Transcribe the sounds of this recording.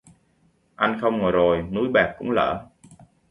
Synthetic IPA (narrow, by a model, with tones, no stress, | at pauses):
ʔa˧jnxə˧wŋ͡mŋɔ˨˩jzo˨˩jnu˨˦jɓɛː˨˩k̚kːʊ̰˧˥ŋ͡mlə̰ː˧˨